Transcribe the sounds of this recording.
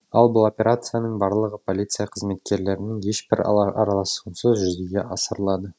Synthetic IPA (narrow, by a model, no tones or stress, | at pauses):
ɑlˠbʊlˠo̞pʲe̞ɾʔat̪sɨjanəɴbɑɾlˠəʁəpʰo̞lʲit̪sɨjaqʰəzme̞t̪kʲe̞ɾle̞ɾɪnɪŋje̞ʃbɪɾ̰ɑɾɑlˠɑsuənsəzʒʏzeɡʲe̞ʔɑsəɾlˠɑd̪ə